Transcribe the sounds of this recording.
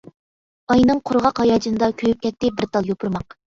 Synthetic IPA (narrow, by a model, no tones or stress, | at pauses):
ɑjnɨŋqʰʊɾʁɑqhɑjɑd͡ʒinɨd̪ɑkʲʰøjyp̚kʲʰɛt̪ːɪbɪɾt̪ʰɑlˠjopʰuɾmɑq